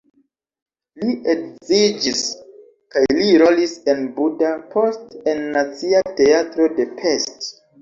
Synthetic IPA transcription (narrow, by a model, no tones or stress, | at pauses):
liʔekzid͡ʒis | kajliɾo̞lise̞nbudapʰo̞ste̞nːat͡siate̞atɾo̞de̞pʰe̞st